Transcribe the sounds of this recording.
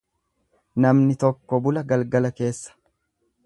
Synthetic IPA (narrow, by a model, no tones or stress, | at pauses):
nɐmnɪt̪ɔkːɔbʊlɐɡɐlɡɐlɐke̞ːsːɐ̥